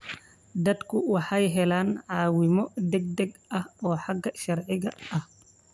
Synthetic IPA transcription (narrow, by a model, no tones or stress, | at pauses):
d̪ɐd̪kʰʊwɑħɑjɦɛlaːnʕɑːwɪmɔd̪ɛɡ̚d̪ɛɡɐhɔːħɑɡɐʃɐrʕɪɣɐɐh